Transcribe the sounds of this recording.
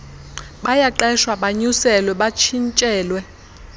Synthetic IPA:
ɓajaǃɛʃwaɓaɲusɛlwɛɓat͡ʃʰint͡ʃʼɛːlwɛ

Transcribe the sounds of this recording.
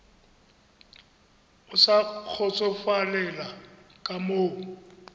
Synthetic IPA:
ʊsak͡xʰɔt͡sʼɔfalɛlakʼamoːŋ̩

